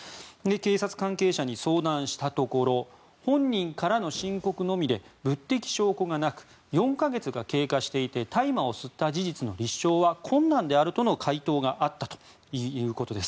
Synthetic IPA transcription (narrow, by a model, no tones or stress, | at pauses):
eke̞ːsat͡sɨ̥kãŋke̞ːɕaɲ̟iso̞ːd̪ãɰ̃ɕi̥t̪at̪o̞ko̞ɾo̞ | hõ̞ɲ̟ːĩŋkaɾano̞ɕĩŋko̞kɯ̟no̞mʲid̪e̞bɯ̟t̪ːe̞kʲi̥ɕo̞ːkoɡanakɯ̟̥ | jõ̞ŋkaɡe̞t͡sɨɡake̞ːkaɕi̥t̪e̞it̪e̞t̪aimao̞sɨt̪ːad͡ʑiʑit͡sɨno̞ɾʲiɕːo̞ːβakʰõ̞nːãnd̪e̞aɾɯ̟t̪o̞no̞kʰait̪o̞ːɡaʔat̪ːat̪o̥ | iɯ̟ːko̞t̪o̞d̪e̞sɨ̥